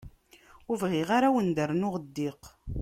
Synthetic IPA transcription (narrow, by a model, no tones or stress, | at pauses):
ʊvʁiʁaɾawənd̪əɾnʊʁd̪ːiq